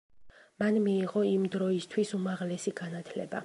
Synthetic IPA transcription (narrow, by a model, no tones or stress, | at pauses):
manmiːʁɔimd̪ɾɔist̪ʰwisumaʁlɛsiɡanat̪ʰlɛ̰ba̰